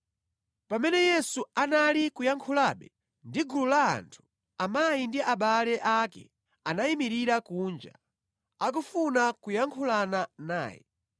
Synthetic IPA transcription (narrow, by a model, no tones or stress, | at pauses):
pamɛnɛjɛsuanalikujaŋkʰulaɓɛ | ndiɡulula̰ːntʰu̥ | amajindiʔaɓalɛʔakɛ̰ | anaimiɾiɾakuːnd͡ʒa̰ | ak̬ufunakujaŋkʰulanana̰ːjɛ̰